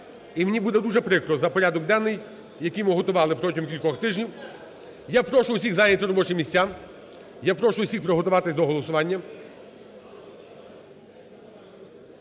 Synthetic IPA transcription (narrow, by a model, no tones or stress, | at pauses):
imnʲibud̪ɛd̪uʒɛpɾɪkɾɔzɐpɔɾʲad̪ɔk̚d̪ɑnːɪj | jɐkijmʊɦɔt̪ʊʋɑlˠɪpɾɔtʲiɦʊmkʲilʲkɔxt̪ɪʒnʲiw | japɾɔʃʊwsʲiɣzajnʲɐt̪ɪɾɔbɔt͡ʃɪmʲisʲt͡sʲːam | japɾɔʃʊwsʲixpɾɔɦɔt̪ʊʋɑt̪ɪsʲd̪ɔɦɔlˠɔsʊʋɑnʲːɐ